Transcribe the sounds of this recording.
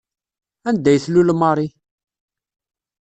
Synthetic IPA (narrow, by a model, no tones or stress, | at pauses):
ænd̪æjθlulmɑɾˤi